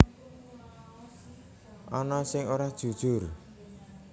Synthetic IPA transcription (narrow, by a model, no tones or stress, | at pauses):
ʔɔnɔsɪŋoɾahd̥ʒ̥ṳd̥ʒ̥ʊ̤r